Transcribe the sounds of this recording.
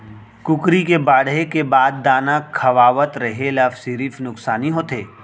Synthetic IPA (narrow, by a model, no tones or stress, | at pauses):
kʊkɾikebaːɽekebaːd̪ːaːnakʰɐʋaːʋət̪ɾɐɦelɐfsiɾifnʊksaːniɦoːt̪ʰeː